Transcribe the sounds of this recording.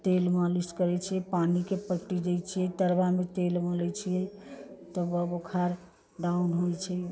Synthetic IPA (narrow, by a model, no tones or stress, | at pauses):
t̪elmaliskəɾɛt͡ʃʰijɛpanikepəʈːid͡ʒejt͡ʃʰijɛt̪əɾbamet̪elməlɛt͡ʃʰijɛt̪əbəbokʰaɾ | ɖaunɦojt͡ʃʰɛ